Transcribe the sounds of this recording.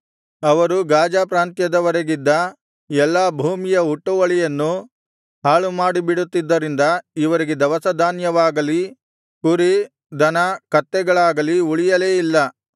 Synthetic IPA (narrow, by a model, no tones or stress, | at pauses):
ɐʋɐɾuɡaːd͡ʒaːpɾaːnt̪jɐd̪ɐʋɐɾeɡid̪ːɐ | ɛlːaːbʱuːmijɐuʈːuʋɐɭijɐnːu | ɦaːɭumaːɽibiɽut̪ːid̪ːɐɾind̪ɐiʋɐɾiɡed̪ɐʋɐsɐd̪ʱaːnjɐʋaːɡɐli | kuɾi | d̪ɐnɐkɐt̪ːɛɡɐɭaːɡɐliuɭijɐleːilːɐ